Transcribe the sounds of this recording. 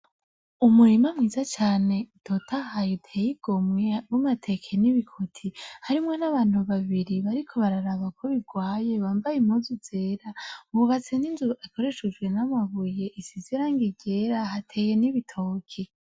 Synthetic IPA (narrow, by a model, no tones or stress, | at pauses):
umuɾimamŋiːzat͡ʃaːne̞tʰotʰahajotʰeːjiɡ̥o̞mŋewumatʰe̞kʰeniβikʰotʰihaɾimŋo̞naβaːn̥huβaβiɾiβaɾikʰo̞βaɾaɾaβakʰoβiɡwaːje̞βaːmbajimozuz̥e̞ːɾaβuβat͡se̞ninzuako̞ɾe̞ʃed͡ʒɡwe̞namaβuje̞ʔisiziɾaːŋɡiɟe̞ɾaɦatʰe̞ːje̞niβitʰo̞ːkʰi